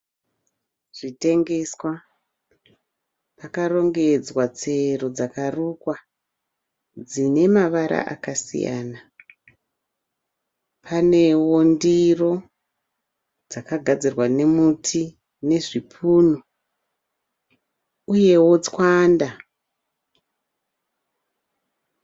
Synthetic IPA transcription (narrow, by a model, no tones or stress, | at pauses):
ʐ̥ite̞ŋɡe̞swa | pakaro̞ŋɡe̞d͡zwat͡se̞rod͡zakarukwa | d͡zine̞maʋaɾa̰ʔa̰kasḭja̰ːna | pʰane̞wondiro̞ | d͡zakaɡʱad͡zirwane̞mutʰi | ne̞ʐipʰuːno | uje̞wo̞t͡skwaːnda